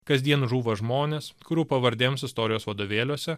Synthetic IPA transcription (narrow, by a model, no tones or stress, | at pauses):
kɐzʲd̪ʲiɛnʒuːʋɐʒmoːnʲeːskʊɾʲuːpɐʋɐɾʲd̪ʲemsɪst̪ɔːɾʲɪjoːsʋɐd̪oːʋʲeːlʲuɔsʲɛ